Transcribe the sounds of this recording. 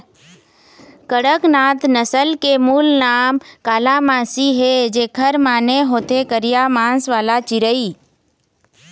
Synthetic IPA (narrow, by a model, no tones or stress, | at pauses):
kəɽəknaːt̪nəsəlkemuːlnaːmkaːlamãːsiɦed͡ʒekʰəɾmaːneɦoːt̪ekəɾijamãːnsʋaːlat͡ʃɪɾəi